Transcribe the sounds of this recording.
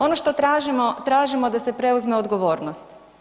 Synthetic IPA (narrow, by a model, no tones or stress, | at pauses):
o̞noʃt̪o̞t̪ɾaːʒimot̪ɾaːʒimo̞d̪ase̞pɾe̞uzme̞od̪ɡoʋo̞ːɾnost̪